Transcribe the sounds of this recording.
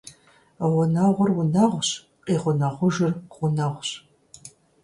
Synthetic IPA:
ʁʷʊnaʁʷʊrwʊnɐʁʷɕ | qiːʁʷʊnɐʁʷʊʒɨrʁʷʊnɐʁʷɕ

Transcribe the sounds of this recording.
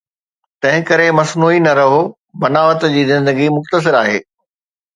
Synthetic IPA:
t̪ɐ̃ɦɪ̃kɐɾemɐsnuːinɐɾɐɦo | bɐnaːʋət̪d͡ʑiːzɪ̃nd̪əɡimʊxt̪əs̬ɪɾaːɦḛː

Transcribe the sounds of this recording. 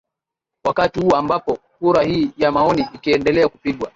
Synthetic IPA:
wakatihuɔambapɔkuɾahiːjamaɔniʔikiɛndɛlɛakupiɠwa

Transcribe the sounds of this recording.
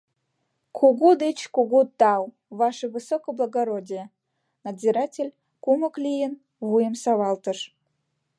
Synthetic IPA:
kʰoɣod̪et͡ɕkoɣut̪ɑw | βɑʃəβɨsokoblˠəɣoɾodʲijə | nɑdzʲiɾɑtʲelʲ | kumə̆klʲijən | βujəmsɑβɑlt̪əʃ

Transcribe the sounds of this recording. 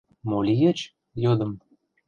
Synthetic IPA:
molʲijet͡ɕ | jod̪ə̆m

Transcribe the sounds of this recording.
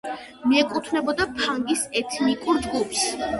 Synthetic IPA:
miɛkʼut̪ʰvnɛbɔd̪apʰaŋɡisɛt̪ʰnikʼuɾd͡ʒɡupʰs

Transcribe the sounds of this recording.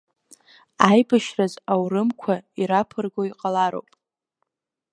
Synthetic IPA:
ajbɨʃrazawrɨmkʷʰaiɾapʰɨrɡoiqʼalaɾo̰wpʼ

